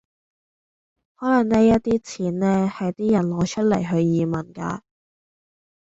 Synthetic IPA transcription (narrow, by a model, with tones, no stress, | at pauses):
hɔː˨˥lɐ˨˩ŋnɛː˥jɐ˥t̚t̪iː˥t͡sʰiː˨˥nnɛː˥hɐ˨jt̪iː˥jɐ˨˩nlɔː˨˧t͡ʃʰɵ˥t̚lɐ˨˩jɦɵ˧ɥjiː˨mɐ˨˩nka̰ː˧